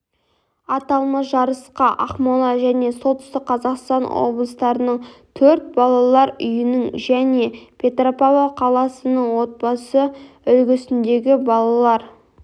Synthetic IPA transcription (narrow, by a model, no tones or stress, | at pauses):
ɑt̪ɑlˠməʒɑɾəsqɑʔɑqmolˠɑʒæne̞solˠt̪ə̥st̪ɪk̚qʰɑzɑqst̪ɑnwo̰blˠəst̪ɑɾənəɴt̪ʰɵɾt̪̚bɑlˠɑlˠɑɾʏ̰jɪnɪŋʒæne̞pʲʰe̞t̪ropavaqʰɑlˠɑsənəɴwo̞t̪̚bɑsə | ʏlɡʲɪsɪnd̪e̞ɡʲɪbɑlˠɑlˠɑɾ